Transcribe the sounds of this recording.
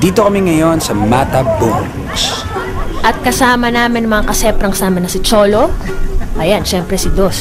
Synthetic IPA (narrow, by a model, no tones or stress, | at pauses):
d̪iːt̪okɐmiŋɐjo̞nsɐmat̪ɐbuŋ | ɡs | ʔɐt̪̚kɐsaːmɐnaːmɪnɐmɐŋakɐsɛpɾɐŋkɐsaːmɐnɐsɪt͡ʃoːloʔɐjanʃɛmpɾɛsɪd̪os